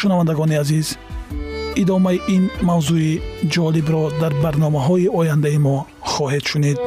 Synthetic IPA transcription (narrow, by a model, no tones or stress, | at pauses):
ʃunavand̪æɡɔniaziz | id̪ɔmaiʔinmawzuid͡ʒɔlibɾɔd̪aɾbaɾnɔmaɦɔiɔjand̪aimɔ | χɔɦed̪ʃunid̪̚